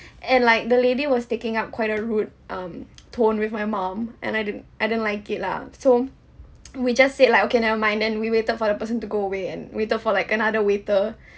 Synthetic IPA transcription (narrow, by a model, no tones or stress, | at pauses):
ʔɛ̃nlaɪk̚dəlediwɔstekɪ̃ŋap̚kʰwaɪtəɹut̚ʔʌ̃mtʰõnwɪfmaɪmãmʔɛ̰̃najdɪd̃najdidə̃nlaɪkɪt̚la̰so | wid͡ʒasːed̚laɪkokenɛvəmãɪ̃ndɛ̃nwiwetəd̚fɔdəpəsə̃ntuɡoəweɛ̃nwetədfɔlaɪkənadəwetə